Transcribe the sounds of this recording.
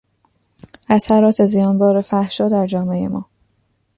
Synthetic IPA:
ʔæsæɾɒːt̪ʰezijɒːnbɒːɾefæhʃɒːd̪æɾd͡ʒɒːme̞emɒ̰ː

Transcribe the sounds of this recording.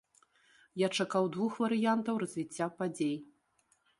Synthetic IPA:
jat͡ʂakawd̪vuxvɐɾɨjant̪ɐwrɐzʲvʲit͡sʲːapad͡zʲej

